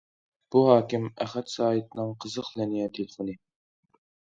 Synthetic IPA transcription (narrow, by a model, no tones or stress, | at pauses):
b̥uɦɑːkʲɪmæχɛt̪sɑːɦit̪̚nɨŋqʰəzəqlɛnijɛt̪ʰelɪfonɨ